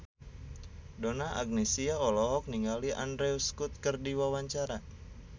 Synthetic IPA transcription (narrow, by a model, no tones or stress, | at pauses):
dɔnaa̰ɡ̚nesiaɔlɔɦɔk̚niŋɡaliʔa̰ndɾɛuskut̪̚kərdiwawaɲt͡ʃaɾa